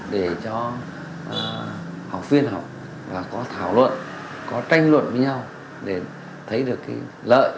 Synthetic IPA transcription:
ɗe˧˩t͡ɕɔ˧ | ha˨˩wk͡p̚vi˧ənɦa˨˩wk͡p̚ | vaː˨˩kɔ˨˦t̪ʰaː˧˩wlwə̰˧˨n | kɔ˨˦t͡ɕa˧jŋ̟lwə̰˧˨nvəː˨˦jɲa˧w | ɗe˧˩ | t̪ʰə˨˦jɗɨ˨˩əkːa˨˦lə̰ː˧˨jʔ

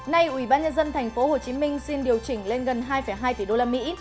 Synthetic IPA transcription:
na˧jʔwi˧˩ɓaː˧nɲə˧nzə˧nt̪ʰɛ˨˩jŋ̟fo˨˦ho˨˩t͡ɕi˨˦mï˧ŋ̟si˧nɗi˨˩əwt͡ɕï˧˩ŋ̟le˧nɣə˨˩nɦaː˧jfə˧˩jɦaː˧jt̪i˧˩ɗo˧laː˧mḭ˧˥

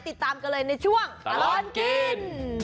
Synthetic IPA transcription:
jt̪i˧˩t̪aː˧mkəː˧ləː˨˩jnə˧˩t͡ɕu˧˩əŋa˧lɔ˧nki˧n

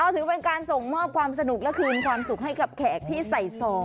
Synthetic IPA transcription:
ʔa˧wt̪ʰɯ˨˩˦pe˧nkaː˧nso˨˩ŋmɔː˥˩p̚kʰwaː˧msa˧nu˨˩k̚lɛ˦˥kʰɯː˧nkʰwaː˧msu˨˩k̚ɦa˥˩jka˨˩p̚kʰɛː˨˩k̚t̪ʰiː˥˩sa˨˩jsɔː˧˩ŋ

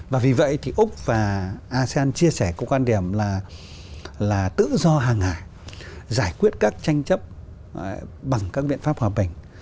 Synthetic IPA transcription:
vaː˨˩vi˨˩və̰˧˨jt̪ʰi˨˩ʔʊ˦˥k͡p̚vaː˨˩ʔaː˧se˧ʔaː˧nt͡ɕi˧əsɛ˧˩kɔ˧˦kwaː˧nɗi˧˩əmlaː˨˩ | laː˨˩t̪ɨ̰˧˨zɔ˧ɦaː˨˩ŋhaː˧˩˦jzaː˧˩jkwi˦˥ət̚kaː˦˥k̚t͡ɕa˧jŋ̟t͡ɕə˦˥p̚ | ɓa˨˩ŋkaː˦˥k̚ɓḭ˧˨ənfaː˦˥p̚hwaː˨˩ɓï˨˩ŋ̟

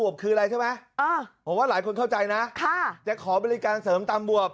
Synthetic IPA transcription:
u˨˩əp̚kʰɯː˧ʔɾa˧jt͡ɕʰa˥˩jma˦˥jʔɤː˧˩pʰo˨˩˦mwaː˥˩laː˩˦jkʰo˧nkʰa˥˩wt͡ɕa˧jna˦˥kʰa˥˩t͡ɕa˨˩kʰɔː˩˦bɔː˧li˦˧kaː˧nsɤː˩˦mt̪aː˧mbu˨˩əp̚

